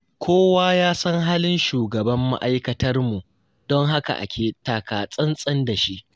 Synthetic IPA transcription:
kʷʰoː˦waː˦jaː˦sɐ˦ŋɦaː˦lɪ˦nʃuː˨ɡɐ˨bɐ˦mːa̰˦ʔa˦jkɐ˨tɐ˦rmu˨ʔ | d̥ɔ˦ŋɦa˦ka̰˨ʔa̰˨kʲʰeː˨taː˨kaː˨sʼɐ˦nsʼɐ˦nda˨ʃi˦ʔ

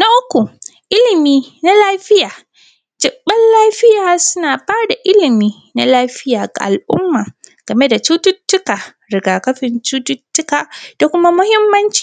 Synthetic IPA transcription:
na˦ʔʊ˦kʷu˨ʔɪ˦lɪ˨miː˦na˦laː˦ɸɪ˦jaː˨ | d͡ʒɪ˨ɓːɐ˦nlaː˦ɸɪ˦jaː˨sʊ˦naː˨ɸaː˦rda˨ʔɪ˦lɪ˨miː˦ | na˦laː˦ɸɪ˦jaː˨ɡa̰˨ʔa̰˨lʔʊ̰˦mːaː˨ɡ̥ɐ˨me˦da˨t͡ʃuː˦tʊ˦tːʊ˦kaː˨ | ɾɪ˨ɡaː˨kɐ˦ɸɪ˨nt͡ʃuː˦tʊ˦tːʊ˦kaː˨d̥a˨kʷʊ˦ma˦mʊ˦hɪ˦mːɐ˦nt͡ʃi̥ː˨

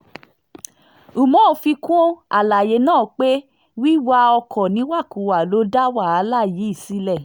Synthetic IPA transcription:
u˨mɔ̃˦˧˨fi˧kɔ̃˦a˨la˨je˨˦nãː˦˨k͡pe˦ | wi˦wa˧ɔ˧kʰɔ̃˨nĩ˨˦wa˦˨ku˨wa˨lo˨˦da˦wa˦˨a˨˦la˦˨ji˨˦i˦˨si˧˦lɛ˦˨

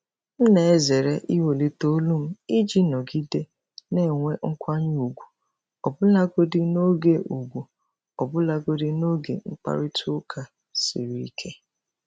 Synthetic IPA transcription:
m̩˦ne˨e˦ze˨ɾe˦ʔi˦we˨li˦to˦lu˦m̩˦i˦d͡ʒi˦nɔ˨ɡi˦de˦ | ne˦˨ŋʷe˦ŋ̩˦kʷa˦ɲ˦u˨ɡʷu˨ | ɔ˨bʊ˦la˦ɡo˦dɪ˦no˦ɡe˨ʔu˨ɡʷu˨ | ɔ˨bʊ˦la˦ɡo˦dɪ˦no˦ɡḛ˨ŋ͡m̩˦k͡pa̰˦ɾɪ˦tʰʊ˦kʰa˨ | sḭ˨ɾi˨i˦kʰe˦

